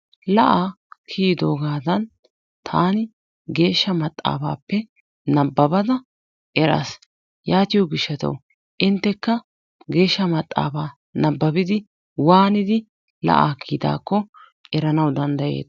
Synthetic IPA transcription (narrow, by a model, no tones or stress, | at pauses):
lɐʔaː | kʰiːd̪o̞ːɡaːd̪ɐn | t̪ʰaːnɪ | ɡe̞ːʃːɐmɐt̪ʼːa̰ːba̰ːpːɛ | nɐbːɐbɐd̪ɐ | ʔɛɾɐ̰s | jaːt̪ɪjɔɡɪʃːɐt̪ɐ̰w | ʔɪnt̪ːɛkːɐ | ɡe̞ːʃːɐmɐt̪ʼːa̰ːbaː | nɐbːɐbɪd̪ɪ | waːnɪd̪ɪ | lɐ̰ʔa̰ːkʰːiːd̪a̰ːkːɔ | ɛɾɐnɐwd̪ɐnd̪ɐje̞̰ːd̪